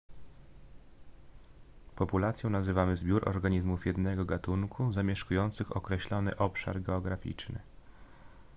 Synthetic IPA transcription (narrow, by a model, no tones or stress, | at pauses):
pɔpulat̪sʲjɔ̃w̃nazɘvamɘzbʲjuɾʔɔ̰ɾɡaɲizmufjɛd̪nɛɡɔɡat̪uŋkʰuzamʲjɛʂkujɔnt̪sɘxɔkɾɛɕlɔnɘ̰ʔɔpʂa̰ɾɡɛɔɡɾafʲḭt͡ʂnɘ̰